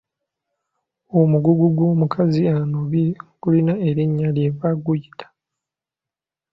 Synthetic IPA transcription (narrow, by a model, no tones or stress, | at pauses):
omuɡuɡuɡwo̞ːmukʰazianoβikulinae̞ɾiɲːaljeβaɡujitʰḁ